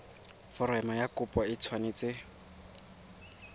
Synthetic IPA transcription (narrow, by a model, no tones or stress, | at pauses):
fɔɾɛmajakʊpʼwaɪt͡sʰwanet͡sɪ